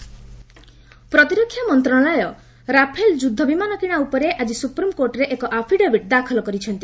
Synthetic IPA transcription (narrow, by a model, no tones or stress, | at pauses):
pɾɔt̪iɾɔkʰːjamɔnt̪ɾɔ̃ɔlɔjɔ | ɾapʰeld͡ʒud̪ʱːɔbimanɔkɾiɽ̃aupɔɾeʔad͡ʒisupɾimkoɾʈɔɾeʔekɔʔapʰiɖebʱiʈ̚d̪akʰɔlɔkɔɾit͡ʃʰɔnt̪i